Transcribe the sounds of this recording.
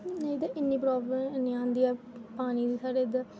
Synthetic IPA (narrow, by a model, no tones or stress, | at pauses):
neid̪eʔɪnːiːpɾɔːbləmnĩãːnd̪iːaː | paːniːd̪iːsaːɾed̪a